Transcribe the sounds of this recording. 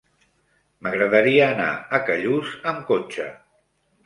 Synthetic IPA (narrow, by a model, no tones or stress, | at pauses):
məɣɾəðəɾiəːna̰əkəʎuzəmkot͡ʃə̰